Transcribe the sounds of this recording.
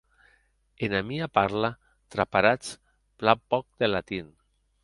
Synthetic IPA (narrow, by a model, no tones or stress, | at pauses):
enamiapaɾla | t̪ɾapaɾat͡s | plapɔk̚d̪elat̪in